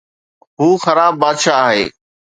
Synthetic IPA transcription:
ɦuːxəɾaːbːaːd̪ʃaːɦḛː

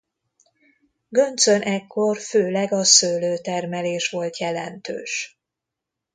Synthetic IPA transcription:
ɡønt̪sønʔɛkːo̞rføːlɛɡɒsøːløːt̪ɛrmɛleːʃʋo̞lt̪jɛlɛnt̪ø̰ːʃ

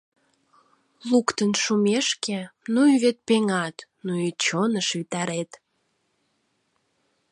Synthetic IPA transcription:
lukt̪ənʃumeʃkenujβet̪̚peŋɑt̪nuit͡ɕonəʃβit̪ɑɾet̪

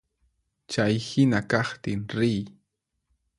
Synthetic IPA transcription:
t͡ʃajhɪnakɑχt̪ɪŋɾɪj

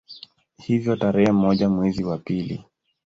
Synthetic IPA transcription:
hivjɔtaɾɛhɛm̩ɔʄamwɛziwapilḭ

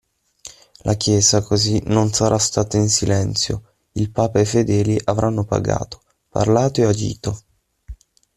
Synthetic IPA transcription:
lʔakjɛːzakozinonsaɾʔast̪aːt̪ainsilɛnt̪sjo̰ | ilpaːpaefed̪ɛːliʔavɾʔanːopa̰ɡa̰ːt̪o̥ | pa̰rlaːt̪oead͡ʒḭːt̪o

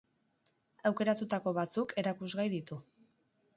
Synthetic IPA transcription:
awke̞ɾat̪ut̪ako̞βat͡suke̞ɾakuzɣajðit̪u

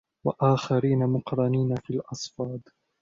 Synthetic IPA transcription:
wa̰ʔaːxaɾiːnamʊqɾɑniːnafiːlʔɑsˤfɑːd̪ˤ

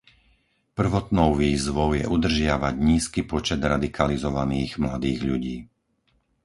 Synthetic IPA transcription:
pr̩ʋɔt̪nɔʊʋiːzʋɔʊjɛʔud̪r̩ʒɪaʋaɟɲiːskipɔt͡ʃɛd̪ɾad̪ikʰalizɔʋaniːɣmlad̪iːɣʎuɟiː

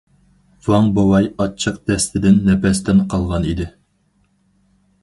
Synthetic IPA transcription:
vɑŋbowɑjɑt͡ʃʰːəq̚d̪ɛst̪ʰɪd̪ɪnːɛpɛst̪ɛnqʰɑlˠʁɑnid̪ɪ

